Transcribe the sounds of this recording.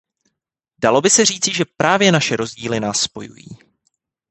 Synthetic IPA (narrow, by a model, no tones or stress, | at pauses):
dalo̞bɪsɛr̝iːt͡sɪʒɛpɾaːvjɛnaʃɛɾo̞zɟiːlɪnaːsːpo̞jṵjḭː